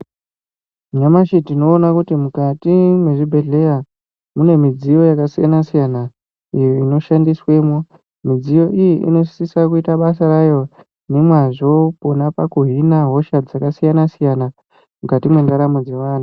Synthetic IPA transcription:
ɲamaʃitino̞ːnakutimukatimwe̞ʐibʱe̞ɮe̞ja | mune̞mid͡zijo̞jakasija̰nasijana | ijoino̞ʃandiswe̞ːmo | mid͡zijo̞ʔijiʔḭno̞sisakuitaɓas̬aɾajo̞ | ne̞mwaʐo̞ponapakuɦinaɦo̞ʃad͡zakasijanasijana | mukatimwe̞ndaɾamud͡ze̞ʋaːn̤u

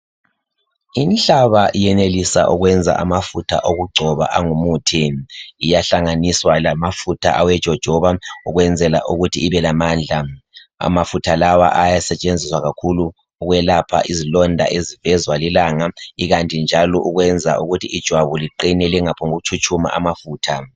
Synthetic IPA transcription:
inɬaβaʔijɛnelisa̰ʔuɣwɛnd͡zʱa̰ʔamafutʰa̰ʔoɣuɡ͡ǀʱɔβa̰ʔaŋumuːtʰiijaɬaŋaniswalamafutʰa̰ʔawɛd̥ʒ̥ʱɔd̥ʒ̥ʱɔβauɣwɛnd͡zʱɛla̰ʔuɣutʰiːβɛlamaːnd͡ɮʱa | a̰mafutʰalawa̰ʔajasɛt͡ʃʼend͡zʱiswaɣakʰuluː | ɣwɛlapʰa̰ʔizilɔndʱa̰ʔezivɛzwalilaŋaiɣantʼind͡ʒʱalɔʔuɣwɛnd͡zʱa̰ʔuɣutʰiid̥ʒ̥ʱwaβuliǃinɛlɛŋapʰɔŋoɣut͡ʃʰut͡ʃʼuma̰ʔamafuːtʰa

